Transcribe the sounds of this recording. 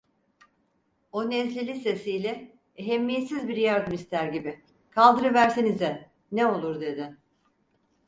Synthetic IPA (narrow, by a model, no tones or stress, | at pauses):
onɛnslʲelʲise̞sijlʲɛ | eɦemːijet̪sizbiɾjaɾd̪ɯmist̪ʰæɾɟibɪ | kʰalˠd̪ɯɾɯvæɾsenizd̪ɛ | neo̞lˠuɾd̪e̞d̪ɪ